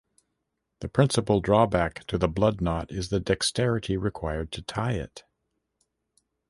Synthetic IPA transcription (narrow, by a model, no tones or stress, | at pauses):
ðɨpʰɹ̥ɪ̃nsəpl̩ˠdɹɔbæktʰɨðəblʌdⁿnɑɾɪzðɨdɛkstɛɹɨɾiɹɨkʰw̥aɪə˞d̚tʰɨtʰaɪɪ̰t